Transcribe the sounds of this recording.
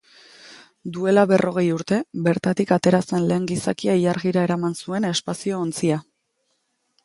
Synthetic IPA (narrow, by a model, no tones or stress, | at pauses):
d̪ue̞laβe̞rʔo̞ɣ̞e̞juɾt̪e̞be̞ɾt̪at̪ikat̪e̞ɾase̞nle̞ːŋɡisa̰kiaijaɾɣiɾae̞ɾamansue̞ne̞spasio̞ːnt͡sia